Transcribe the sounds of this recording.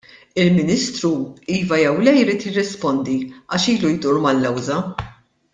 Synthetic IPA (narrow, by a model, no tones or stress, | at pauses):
ɪlmɪnɪst̪ɾuiːvɐjɛwlɛjɪɾiːt̪jɪrːɪspɔnd̪iɐːʃiːlujd̪uːɾmɐlːɛwzɐ